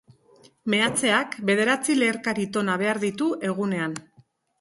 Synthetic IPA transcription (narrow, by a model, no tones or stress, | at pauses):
me̞at͡se̞akbe̞ð̞e̞ɾat͡sileːɾkaɾit̪o̞naβ̞e̞aɾðit̪uʔe̞ɣ̞une̞an